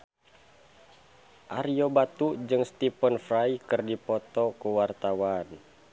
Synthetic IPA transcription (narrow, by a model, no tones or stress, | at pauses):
ʔaɾijɔbat̪ud͡ʒɨŋst̪ipənfrajikɨrdipɔt̪ɔkuwart̪awan